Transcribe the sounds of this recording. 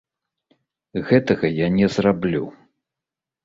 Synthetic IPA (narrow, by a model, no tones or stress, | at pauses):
ɣɛt̪ɐɣɐjanʲɛzrablʲṵ